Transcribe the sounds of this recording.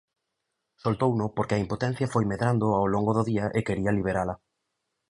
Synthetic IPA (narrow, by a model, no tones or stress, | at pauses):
solt̪ownʊpoɾkɪɐimpot̪ɛ̃n̟θjɐfojmeðɾand̪ʊawloŋɡʊðʊðiɐʔekeɾiɐliβ̞eɾalɐ